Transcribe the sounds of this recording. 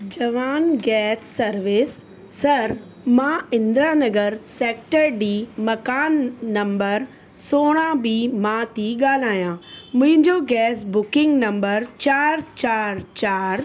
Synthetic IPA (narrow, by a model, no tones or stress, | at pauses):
d͡ʑɐʋaːnɡɛːsːɐɾʋɪsː | ɐɾ | mãːɪ̃nd̪ɾaːnɐɡəɾseːk̚ʈəɾɖiːmɐkaːnːɐ̃mbəɾ | soːɽ̃ãbiːmãːt̪iːɠaːl̤aːjãmʊ̃ɦɪ̃ɲd͡ʑoɡɛːsbʊkɪ̃ŋɡnɐ̃mbəɾt͡ɕaːɾt͡ɕaːɾt͡ɕaːɾ